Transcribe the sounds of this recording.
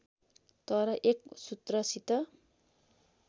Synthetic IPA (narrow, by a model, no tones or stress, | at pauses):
t̪ʌɾʌʔek̚sut̪rʌsit̪ʌ